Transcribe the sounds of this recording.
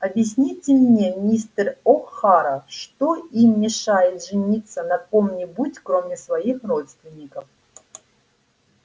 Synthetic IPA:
ɐbʲjɪsʲnʲitʲɪmnʲemʲnʲist̪roxxaɾəfʂt̪oimmʲɪʂajɪt̪ʐɨnʲit̪sənɐkomnʲɪbutʲkɾomʲɪsvɐixrot̪st̪vʲɪnʲːɪkəf

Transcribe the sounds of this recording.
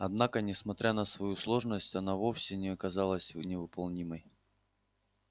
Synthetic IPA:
ɐd̪nakənʲɪsmɐt̪ɾʲʔanəsvɐjuslˠo̞ʐnəsʲtʲɐnavo̞fsʲɪnʲɪɐkɐzalˠəsʲnʲɪvɨpɐlˠnʲiməj

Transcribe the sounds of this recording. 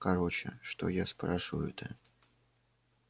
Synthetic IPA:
kɐɾot͡ɕɪ̰ʂt̪o̰jaspɾaʂɨvə̰jʊ̰t̪ə

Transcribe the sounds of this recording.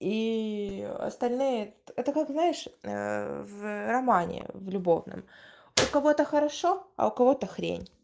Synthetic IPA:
i | ɐ̰st̪ɐlʲnɨjət̪ɛt̪əkakznaɪʂ | vrɐmanʲɪ̰vlʲʊbo̞vnɨ̰m | ʊkɐvo̞t̪əxəɾɐʂoɐ̰ʊkɐvo̞t̪əxɾʲḛnʲ

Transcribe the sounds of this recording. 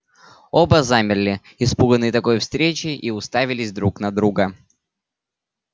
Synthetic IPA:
o̞bəzamʲɪrlʲɪ | ɪspuɡənːɨjt̪ɐko̞jfst̪ɾʲet͡ɕɪʔiʊst̪avʲɪlʲɪzʲd̪ɾuknɐd̪ɾuɡə

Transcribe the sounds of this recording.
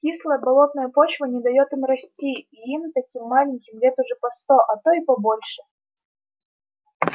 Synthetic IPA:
kʲislˠəjəbɐlˠo̞t̪̚nəjəpo̞t͡ɕvənʲɪd̪ɐjo̞t̪ɨmrɐsʲtʲiiimt̪ɐkʲimːalʲɪnʲkʲɪmlʲet̪ʊʐɛpɐst̪oʔɐt̪oipɐbo̞lʲʂɨ

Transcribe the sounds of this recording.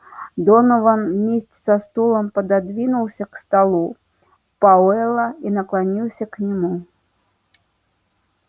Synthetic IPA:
d̪ɔnɔvanmʲesʲtʲsɐst̪ulˠɐmpɐd̪ad̪vʲinulˠsʲɐkst̪alˠu | paɛlˠɐinɐklˠanʲilˠsʲɐknʲɪmu

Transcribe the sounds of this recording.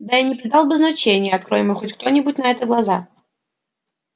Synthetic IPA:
d̪ainʲɪpɾʲɪd̪ɑlˠbɨznɐt͡ɕenʲɪjəɐt̪̚kɾo̞jɪməjxotʲkt̪o̞nʲɪbʊtʲnɐɛt̪əɡlˠɐza

